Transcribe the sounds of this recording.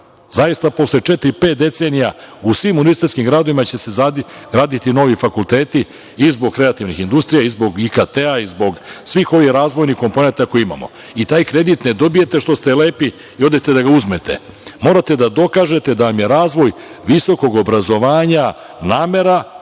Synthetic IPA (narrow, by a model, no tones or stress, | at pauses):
zajist̪apo̞slet͡ʃet̪ɾipe̞ːt̪̚d̪e̞t̪seːnija | usʋiːmunist̪eskimɡɾaːd̪o̞ʋimat͡ɕe̞sezaɡɾaːd̪it̪ino̞ːʋifakulˠt̪e̞ːt̪i | izbo̞ɡ̚kɾe̞at̪iʋnixind̪ust̪ɾijaizbo̞ɡikat̪eaizbo̞ɡsʋiːxo̞ʋixɾaːzʋo̞jnixko̞mp̞ne̞nt̪ako̞jiima̰mo̞̰ | it̪aːjkɾe̞d̪it̪ne̞d̪o̞bijet̪e̞ʃt̪o̞st̪e̞le̞ːpi | io̞d̪et̪e̞d̪aɡauzmet̪e̞̰ | mo̞ɾat̪e̞d̪ad̪o̞kaːʒe̞t̪e̞d̪aʋamje̞ɾaːzʋo̞j | ʋiso̞ko̞ɡo̞bɾazo̞ʋaːɲa | naːme̞ɾa